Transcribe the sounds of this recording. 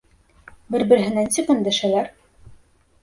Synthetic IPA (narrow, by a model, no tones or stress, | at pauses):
bɘɾbɘ̆ɾɘ̆ɦɘ̆nænsɘqɘ̆nd̪æ̆ʃælæɾ